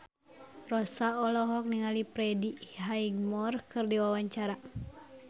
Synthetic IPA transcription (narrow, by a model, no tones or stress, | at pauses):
rɔsaɔlɔɦɔk̚niŋalipɾɛdiɦaiɡmɔrkɨrdiwawaɲt͡ʃaɾa